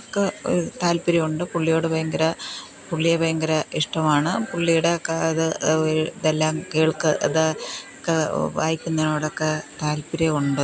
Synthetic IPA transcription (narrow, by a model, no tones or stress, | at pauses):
kːet̪aːlpiɾɐjuɳɖɨpuɭːijo̞ːɽɨbʱɐjɐŋɡɐɾɐ | puɭːijɐbʱɐjɐŋɡɐɾɐiʂʈɐmaːɳɨpuɭːijuɽekːeɐðɨ | ðelːaːmkeːɭkɨʔɐ̰ða | kːeʋaːjikʲːunːɐnoʋɐɽokːet̪aːlpiɾɐuɳɖɨ